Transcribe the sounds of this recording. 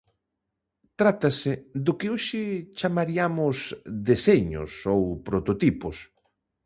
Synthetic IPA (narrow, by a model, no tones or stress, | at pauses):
t̪ɾat̪asɪd̪ʊkɪoʃɪt͡ʃamaɾiamʊsd̪eseɲʊ̰sowpɾot̪ot̪ipʊs